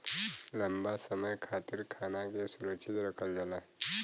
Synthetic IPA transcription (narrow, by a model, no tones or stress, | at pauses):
ləmbasəməjkʰat̪iɾkʰanakesuɾəkʃʰit̪ɾəkʰəld͡ʒala